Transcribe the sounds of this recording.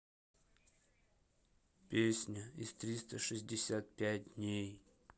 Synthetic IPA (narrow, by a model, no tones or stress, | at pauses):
pʲesʲnʲəist̪ɾʲist̪əʂɨzʲdʲɪsʲat̪̚pʲæt̚ʲdnʲej